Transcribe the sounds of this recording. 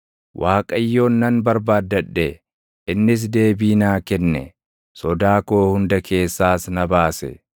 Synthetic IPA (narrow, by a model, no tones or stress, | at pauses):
wʔaːkʼɐjːo̞ːnːɐnbɐɾbaːd̪ːɐᶑːɛ | ɪnːɪs̬d̪e̞ːbiːnaːkɛnːɛ̰ | sɔd̪aːko̞ːhʊnd̪ɐkʰe̞ːsːaːsnɐbaːsɛ̰